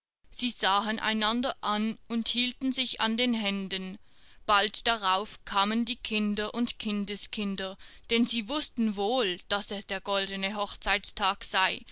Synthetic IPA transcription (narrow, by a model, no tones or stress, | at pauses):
z̥iːzaːɦənʔa̰ɪnandɐʔanʊnthiːltn̩zɪça̰ndeːnɦɛndən | b̥altd̥aʁaʊfkʰaːməndiːkʰɪndɐʔʊntkʰɪndəskʰɪndɐd̥ɛnziːvʊstn̩voːld̥asɛsd̥eːɐɡ̥ɔldənəɦɔχt͡saɪtstʰaːkz̥aɪ